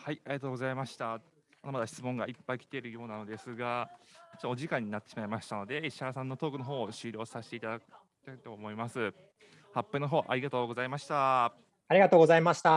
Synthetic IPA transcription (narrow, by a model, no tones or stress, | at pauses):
haiaɾʲiɡat̪o̞ːɡo̞zaimaɕi̥t̪a | mad̪amad̪aɕi̥t͡sɨmõ̞ŋɡaipːaikʲi̥t̪e̞ɾɯ̟jo̞ːnano̞d̪e̞sɨɡat͡ɕːooʑikãɲ̟ːinat̪ːeɕimaimaɕi̥t̪ano̞d̪e̞iɕasãnːo̞t̪o̞ːkɯ̟noɦo̞ːoɕɨːɾʲo̞ːsaɕi̥t̪e̞it̪ad̪akɯ̥ | t̪ait̪o̞ːmo̞imasɨ | hapːenoɦo̞ːʔa̰ɾʲiɡat̪o̞ːɡo̞zaimaɕi̥t̪a | aɾiɡat̪oːɡo̞zaimaɕi̥t̪a